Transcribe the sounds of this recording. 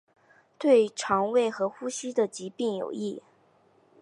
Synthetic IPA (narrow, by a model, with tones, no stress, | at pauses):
t̪we˥˩ɪʈ͡ʂʰɑ˧˥ŋwe˥˩ɪxɤ˧˥xu˥ɕi˥d̪ə˨t͡ɕi˧˥pi˥˩ŋjo̰˨˩ʊi˥˩